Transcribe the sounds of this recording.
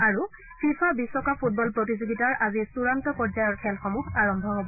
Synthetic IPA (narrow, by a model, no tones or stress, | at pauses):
aɹu | fʰifʰabisːɔkapʰut̚bɔlpɹotizoɡitaɹʔazisuɹantɔpɔɹzajɔɹkʰɛlxɔmuxaɹɔmbʱɔɦobɔ